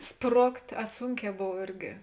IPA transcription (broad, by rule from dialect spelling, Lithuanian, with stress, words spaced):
ˈsproːktʲ ɐ ˈsuːŋʲˌkʲɛː ˈboːw ˈɪrʲɡʲɪ